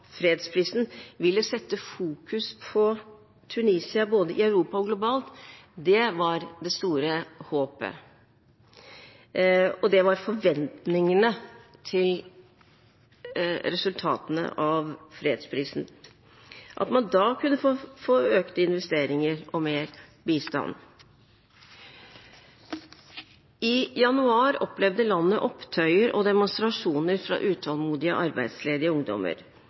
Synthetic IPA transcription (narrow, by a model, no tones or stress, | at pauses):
fɾeːd̪spʰɾiːsn̩ʋɪlːəsɛt̪ːəfuːkʉspʰɔ | t̪ʰʉniːsɪɑboːd̪əʔɪɑʉɾuːpɑɔɡlʊbɑːlt̪d̪ɛʋɑɾd̪ɛst̪uːɾəhoːpə̰ | ɔd̪ɛʋɑɾfɔɾʋɛnt̪nɪŋənət̪ʰɪl | ɾɛsʉlt̪ʰɑ̰ːt̪ənə̰ʔɑʋfɾːed̪spʰɾiːsn̩ | ʔɑ̰t̪mɑnd̪ɑːkʰʉnːəffoːøːkt̪əɪnʋɛst̪eːɾɪŋəɾʔɔmeːɾbiːst̪ɑ̰n | ɪjɑnʉɑːɾɔplɛʋd̪əlɑnːəʔɔpt̪ʰœʏəɾʔɔd̪ɛmʊnst̪ɾɑʂuːnəɾfɾɑ̰ʔʉːt̪ʰɑlˠmuːd̪ɪə̰ʔɑɾbæɪd̪sleːd̪ɪəʊŋd̪ɔ̰mə̰ɾ